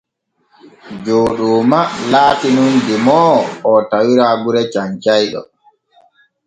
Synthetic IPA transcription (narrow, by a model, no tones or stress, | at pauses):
d͡ʒoːɗuːmalaːtinundimɔɔtawiɾaɡuɾɛt͡ʃaɲt͡ʃajɗɔ̰